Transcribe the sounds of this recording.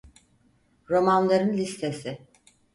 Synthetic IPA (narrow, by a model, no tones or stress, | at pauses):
ɾo̞manlˠaɾɯnlʲist̪ʰe̞sɪ